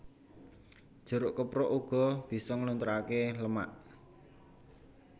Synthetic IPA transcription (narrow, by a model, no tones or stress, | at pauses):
d̥ʒ̥ə̤ɾʊʔkəpɾɔʔuɡ̥ɔ̤b̥i̤sɔŋlunt̪ɾakeləma̰ʔ